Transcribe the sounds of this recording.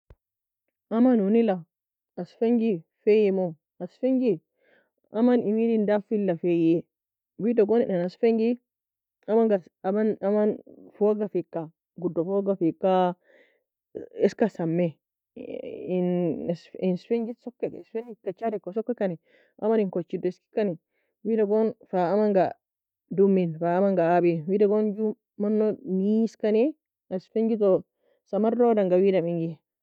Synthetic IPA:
amanunila | asfeŋɡifejɛmɔ | asfeŋɡi | amanimidindafilːafejɛ | widɔɡɔnɛ̰nanasfeŋɡi | amaŋɡaamanamanfɔɡafikːa | ɡudːɔfɔɡafikːa | ɛskasamːɛ | nsɪnsfɛnd͡ʒɪt̪sɔkːɛsfɛnɪkːɐt͡ʃːadɛkːɔsɔkːɛkːɐnɛ | ʔɐmɐnɪŋkɔt͡ʃːɪd̪ɪskɪ̥kːɐnɛ | wiːdɐɡonfaːmɐŋɡa | d̪ʊmːinfaːɐmɐŋɡaabinwiːdɐɡond͡ʒu | mɐnːɔmiːskɐnɛ | ɐsfɛɲd͡ʒɪt̪̬ɔ | sɐmɐrːoːdɐŋɡɐwiːdɐmɪŋɡɪ

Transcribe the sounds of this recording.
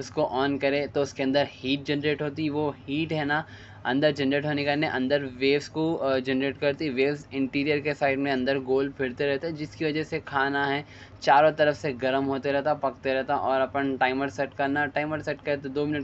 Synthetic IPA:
ʊskoʔɔːnkɐɾet̪oʊskeɐ̃nd̪əɾhiːʈ̚d͡ʒɛnɾeːʈɦoːt̪̬iʋohiːʈɦɛːna | ɐ̰̃nd̪əɾd͡ʒɐnɾeːʈɦoːnekanẽʔɐ̃nd̪əɾʋeːʋskod͡ʒɛnɾeːʈkɐɾt̪iʋeːʋsɪ̃ɳʈiːɾijəɾkesaːɪɖmẽɐ̃nd̪əɾɡoːlpʰɪɽt̪eɾɛɦt̪eɦɛd͡ʒɪskiʋɐd͡ʒɛsekʰaːnaɦɛː | t͡ʃaːɾõt̪ɐɾəfseɡɐɾəmɦoːt̪eɾɛɦt̪apɐkt̪eɾɛɦt̪aʔɔːɾɐpənʈaːɪməɾsɛʈkɐɾnaʈaːɪməɾsɛʈkɐɾet̪od̪oːmɪnəʈ

